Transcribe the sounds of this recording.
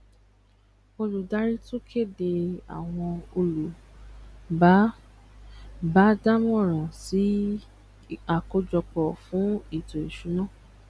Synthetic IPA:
o˧lu˨da˨˦ɾi˦to˦kʰe˦˨de˧a̰˨w̃ɔ̃˧o˧lu˨ | ba˦ | ba˨˦da˦mũ˦ɔ˦˨ɾ̃ã˨si˨˦ | a˨ko˧d͡ʒɔ˧k͡pɔ˨fũ˨˦i˦˨to˨i˨ʃu˨˦nãː˦˨

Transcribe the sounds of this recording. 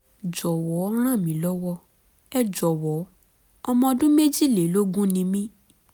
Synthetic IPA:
d͡ʒɔ˨wɔ˨˦ɾ̃ã˦˨mĩ˨˦lɔ˦wɔ˦ | ɛ˦d͡ʒɔ˨wɔ˨˦ | ɔ˧mɔ̃˧dũ˦me˦d͡ʒi˦˨le˨˦lo˦ɡũ˦nĩ˧mĩ˦

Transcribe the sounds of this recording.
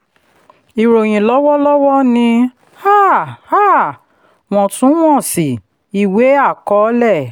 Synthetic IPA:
i˨ɾo˨j̃ĩ˨lɔ˨˦wɔ˦lɔ˦wɔ˦nĩ˧ | ha˦˨ha˦˨ | w̃ɔ̃˧˨tũ˨˦w̃ɔ̃˦˨si˨ | i˨we˨˦a˦˨kɔ˨˦lɛ˦˨

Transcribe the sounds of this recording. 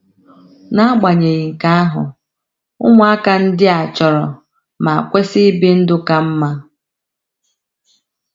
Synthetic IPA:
na˦ɡ͡ba˨ɲe˨ɣi˨ŋ̩˨ka˦a˦ɦʊ̰˨ | ʊ˦ŋʷʊ˦a˦ka˨n̩˦dɪ˦a˨t͡ʃɔ˨ɾɔ˨ | ma˨a˨kʷe˦si˦bi˦n̩˦dʊ˦ka˦m̩˦ma˦

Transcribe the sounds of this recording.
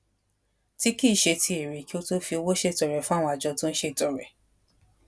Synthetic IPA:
ti˦ki˦˨ʃe˧tʰi˧e˨ɾi˨ki˦o˦to˦fi˧o˧wo˦ʃe˦˨tɔ˨ɾɛ˨fũ˦a˦w̃ɔ̃˧a˨d͡ʒɔ˧tũ˦n̩˦ʃe˦˨tɔ˨ɾɛ˨

